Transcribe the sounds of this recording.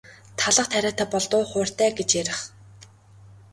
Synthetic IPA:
t̪ʰaɮə̆χt̪ʰæɾʲaːt̪æːpɔɮt̪ʊːχʊːr̥t̪æːɡet͡ɕjæɾʲɪ̆χ

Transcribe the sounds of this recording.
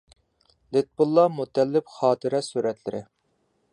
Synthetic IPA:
let̪̚bulˠːɑmut̪ʰɛlːɪpχɑːt̪ʰɨɾɛsuɾɛt̪lɪɾɪ̰

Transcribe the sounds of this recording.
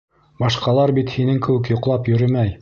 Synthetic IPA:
bɑʃqɑlˠɑɾbit̪hinɘŋkɘ̆wɘkjŏqlˠɑpjɵ̆ɾɘmæj

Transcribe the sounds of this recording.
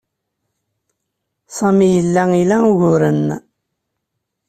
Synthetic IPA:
sˤɑmijəlːæilæuʝʊɾən

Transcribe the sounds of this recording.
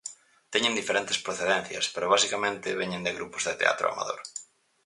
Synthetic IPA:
t̪ɛɲẽnd̪ifeɾent̪espɾoθeðẽn̟θjɐ̰speɾoβ̞asikamẽnt̪ɪβeɲẽnd̪eɣɾupʊzðet̪ḛa̰t̪ɾo̰a̰ma̰ðo̰ɾ

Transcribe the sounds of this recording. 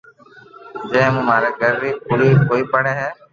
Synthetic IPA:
d͡ʒɛ̃ːmũːmaːɾɛːɡəɾːiːpʊɾiːkoːiːpəɽɛːɦɛː

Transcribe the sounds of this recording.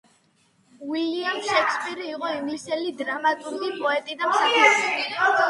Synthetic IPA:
wiliamsʃɛkʰspʼiɾiːqʼɔimlisɛlid̪ɾamat̪ʼuɾɡipʼɔɛt̪ʼid̪amsamaii

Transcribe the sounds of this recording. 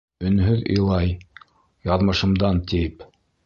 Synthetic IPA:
ɵ̆nɦɵðɤ̰̆jlˠɑj | jɑðmɤ̆ʃɤ̆md̪ɑnt̪ip

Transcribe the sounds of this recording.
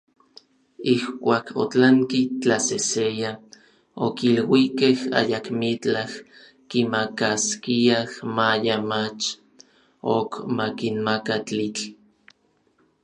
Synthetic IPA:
ihkʷaːkʰo̰t͡ɬaŋkit͡ɬaseseja | okilwikeha̰jakmit͡ɬah | kimakaskiahmajamat͡ʃ | okmakinmakat͡ɬit͡ɬ

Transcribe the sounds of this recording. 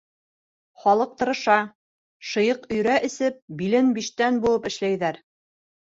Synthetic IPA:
χɑlˠɤq̚t̪ɤ̆ɾɤ̆ʃɑ | ʃɤ̆jɤqɵ̆jɾæʔɘ̆sɘp̚bilɘnbiʃt̪ænbulˠɤpɘ̆ʃlæjðæɾ

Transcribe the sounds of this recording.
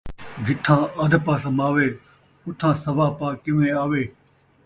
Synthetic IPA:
ɡʱɪʈ̪ʰːãːʔəd̪ʱpaːsəmaːʋeː | ʊt̪ʰãːsəʋaːpaːkɪʋẽːaːʋeː

